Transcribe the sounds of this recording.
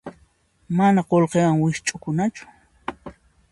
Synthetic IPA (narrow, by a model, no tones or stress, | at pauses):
manaqolqewaŋwɪʃt͡ʃʼʊkʊnat͡ʃʊ̥